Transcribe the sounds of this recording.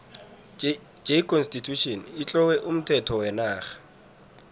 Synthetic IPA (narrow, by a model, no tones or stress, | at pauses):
d͡ʒeikʰɔnstitʰuʃɔnɪt͡ɬʼɔwɛʔʊm̩tʰɛtʰɔwɛnaːχḁ